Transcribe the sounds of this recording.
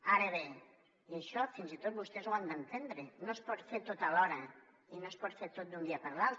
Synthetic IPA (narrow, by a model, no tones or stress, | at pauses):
aɾəβe | iəʃɔfinzit̪ot̪̚bust̪ɛzwand̪ənt̪end̪ɾenospɔt̪feɾt̪ot̪alɔɾɐ | inospɔt̪feɾt̪ot̪̚d̪und̪iɐpəɾlal